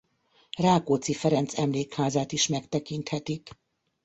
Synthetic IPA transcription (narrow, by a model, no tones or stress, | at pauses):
raːkoːt̪sifɛɾɛnt̪sɛmleːkhaːzaːt̪iʃmɛkt̪ɛkint̪hɛt̪ik